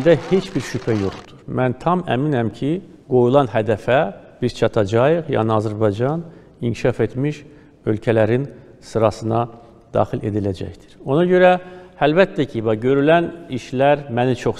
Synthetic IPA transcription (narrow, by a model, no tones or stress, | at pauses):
d̪æhe̞t͡ʃʰbiɾʃypʰæjo̞χt̪uɾ̥mænt̪ʰɑmæ̰minæmcʰi | ɡ̥o̞julˠɑnɦæd̪æfæb̥iz̥t͡ʃʰɑt̪ʰɑd͡ʒɑjɯχjɑ̰ːniɑzæɾbɑjd͡ʒɑn | iɲcʰi̥ʃɑfe̞t̪miʃ | ø̞lcʰælæɾin | sɯɾɑsɯnɑ | d̪̥ɑ̰ːχile̞̰d̪ilæd͡ʒæ̰çd̪iɾ̥o̞nɑɟø̞ɾæælbæt̪ʰːæcʰivɑɟø̞ɾylæniʃlæɾmænit͡ʃʰo̞χ